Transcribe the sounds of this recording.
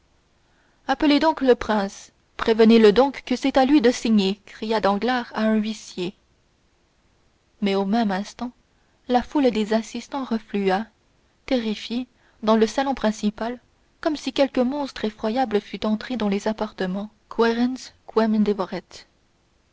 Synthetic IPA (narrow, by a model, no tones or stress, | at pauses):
apəled̪ɔ̃kləpχɛ̃s | pχevəneləd̪ɔ̃kːəsɛt̪alɥid̪əsiɲekχijad̪ɑ̃ɡlaʁaɛ̃ɥisje | mɛomɛmɛ̃st̪ɑ̃ | lafuld̪ezasist̪ɑ̃ʁəflya | t̪eʁifje | d̪ɑ̃ləsalɔ̃pχɛ̃sipal | kɔmsikʲɛlkəmɔ̃st̪χefχwajabləfyt̪ɑ̃t̪χed̪ɑ̃lezapaʁt̪əmɑ̃ | kʰwɛʁɛnskʰwɛmd̪evɔʁɛt̪